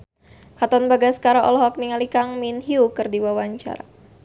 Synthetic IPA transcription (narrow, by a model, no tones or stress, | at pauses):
kat̪ɔnbaɡaskaɾaʔɔ̰lɔɦɔk̚niŋalikaŋminɦiukɨrdiwawaɲt͡ʃa̰ɾa